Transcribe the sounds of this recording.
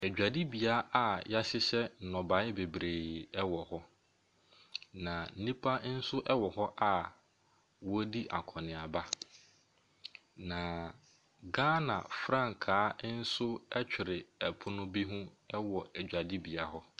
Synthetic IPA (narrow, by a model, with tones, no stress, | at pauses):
æ˨d͡ʑᶣa˨di˦bi˨a˨˦a˨ja˦ɕɪ˦ɕɛ˦n̩˨nɔ̃˨bã˨˦ɪ˦be˨bɾeː˨ɛ˦wɔ˨hɔ˦ | nã˨n̩˦nĩ˦pʰa˦n̩˦sʊ˦ʔɛ˦wɔ˨hɔ˦ʔa˨ | wɔ˦di˦ʔa̰˨kʰɔ̃˨nɪ̃˨a˨ba˦ | nã˨ | ɡaː˦nã̰˨fɾã˦ŋ˨kʰaː˨˦n̩˦sʊ˦ɛ˦t͡ɕᶣɪ˨ɾɪ˨ɛ˨pʰʊ˦nʊ̃˦bi˦ɦʊ̃˦ | ɛ˦wɔ˨æ˨d͡ʑᶣa˨di˦bi˨a˨ɦɔ˦